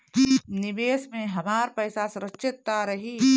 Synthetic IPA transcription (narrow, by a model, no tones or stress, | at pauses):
nɪʋeːsmẽɦɐmaːɾpɐjsasɾətːʃɪt̪ːaɾɐɦiː